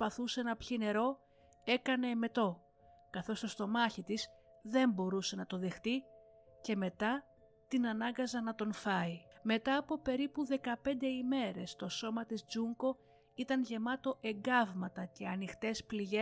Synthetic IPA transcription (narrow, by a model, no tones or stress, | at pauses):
pɐθuse̞nɐpçine̞ɾo̞ | e̞kɐne̞me̞t̪o̞ | kɐθo̞st̪ost̪o̞mɐçit̪is | ðe̞mbo̞ɾuse̞nɐt̪o̞ðe̞xt̪i | ce̞me̞t̪ɐ | t̪inɐnɐŋɡɐzɐnɐt̪o̞nfɐime̞t̪ɐːpo̞pe̞ɾipuðe̞kɐpe̞nd̪eime̞ɾe̞st̪o̞so̞mɐt̪izd͡zuŋko̞ | it̪ɐnʝe̞mɐt̪o̞ʔe̞ŋɡɐvmɐt̪ɐce̞ɐnixt̪e̞spliʝe